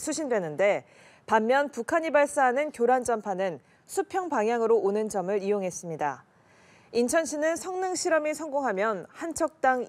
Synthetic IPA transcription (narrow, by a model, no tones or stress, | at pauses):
sʰuɕʰindwe̞nɯnde̞ | pamːjʌnpukʰaɲibaɭs͈aɦanɯnkjoɾand͡ʑʌmpʰanɯn | sʰupʰjʌŋpaŋɦjaŋɯɾoonɯnd͡ʑʌmɯɾijoŋɦe̞s͈ɯmɲida̰ | int͡ɕʰʌnɕʰinɯnsʰʌŋnɯŋɕʰiɾʌmisʰʌŋɡoŋɦamjʌnhant͡ɕʰʌk̚t͈aŋ